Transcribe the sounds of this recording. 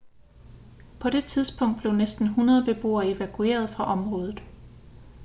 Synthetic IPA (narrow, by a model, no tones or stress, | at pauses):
pʰɒ̽ɾ̥e̝t͡sʰið̞ˠsb̥ʰɔ̽ŋ̰d̥̚b̥le̝ʊnesd̥n̩ɦunɐðˠb̥e̝b̥o̝̰ːɐe̝ʋækʰue̝̰ːɐð̞ˠfʁɑ̈ʔɒ̽mʁɔ̽ːð̞ˠð̩ˠ